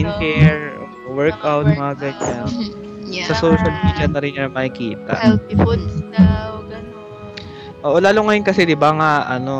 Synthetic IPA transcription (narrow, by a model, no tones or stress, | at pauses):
ɪnkɛɹo̰ʔwɛɹkawt̪̚mɐɐɡɐɲan | sɐsowʃɐlmiːd̪jɐnɐɾɪnmɐhɪkiːt̪ɐ̰ | ʔoːʔolaːlʊŋɐjonkɐsɛd̪ɪbaŋaʔɐno̞